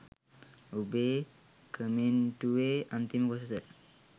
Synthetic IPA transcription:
ube | kəmenʈuweant̪iməkosət̪ə

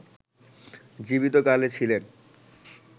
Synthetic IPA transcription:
d͡ʑibit̪okalet͡ɕʰilen

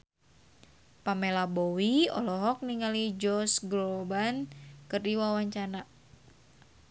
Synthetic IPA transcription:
pamɛlabɔwiɔ̰lɔɦɔk̚niŋalid͡ʒɔsɡɾɔbankərdiwawaɲt͡ʃana

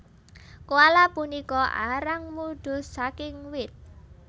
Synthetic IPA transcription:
kuwalapunikɔʔa̰ɾaŋmuɖ̪̥ʊ̤sakɪŋwɪt̪̚

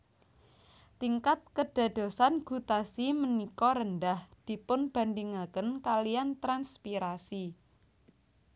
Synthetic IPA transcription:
t̪iŋkat̪̚kəɖ̥a̤d̪̥o̤sanɡ̥ṳt̪asimənikɔɾəndahd̪̥i̤pʊnb̥a̤nd̪iŋakənkalijant̪ɾanspiɾasi

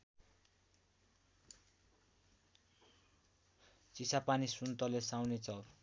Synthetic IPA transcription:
t͡sisapanisunt̪ʌlesawnet͡sʰʌ

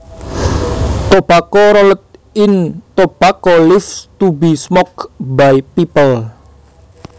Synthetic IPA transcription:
t̪obakɔɾɔlət̪̚ɪnt̪opakɔlɪft̪ubi̤smɔkbajpipəl

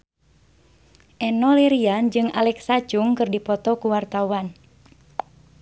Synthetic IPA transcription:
ʔɛnɔliɾiand͡ʒɨŋa̰lɛksat͡ʃuŋkɨrdipɔt̪ɔkuwart̪awan

